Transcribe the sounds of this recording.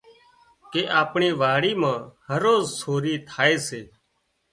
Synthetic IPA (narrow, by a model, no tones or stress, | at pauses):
keːʔaːpɳiːʋaːɽiːmãːhəɾoːzsʰoːɾiːt̪ʰaːeːseː